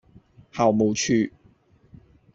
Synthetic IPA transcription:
haː˨˩wmo˨wt͡ʃʰyː˧

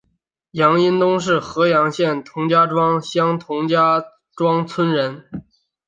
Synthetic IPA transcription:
jɑ˧˥ŋi˥nt̪ʊ˥ŋʂ̬ɻ̩˥˩xɤ˧˥jɑ˧˥ŋɕjɛ˥˩nt̪ʰʊ˧˥ŋt͡ɕja˥ʈ͡ʂwɑ˥ŋɕjɑ˥ŋt̪ʰʊ˧˥ŋt͡ɕja˥ | ʈ͡ʂwɑ˥ŋt͡sʰwə˥nɻə˧˥n

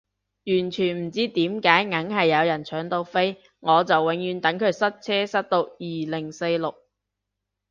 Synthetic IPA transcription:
jyː˨˩nt͡ʃʰyː˨˩nm̩˨˩t͡siː˥t̪iː˨˥mkaː˨˥jŋɐ˨˥ŋhɐ˨jːɐ˨˧wjɐ˨˩nt͡ʃʰœː˨˥ŋt̪o˧wfe˥j | ŋɔː˨˧t͡sɐ˨wːɪ˨˧˥ŋjyː˨˧˥nt̪ɐ˨˥ŋkʰɵ˨˧ɥsɐ˥t̚t͡sʰɛː˥sɐ˥t̚t̪o˧wjiː˨˩lɪ˨˩ŋse˧jlʊ˨k̚

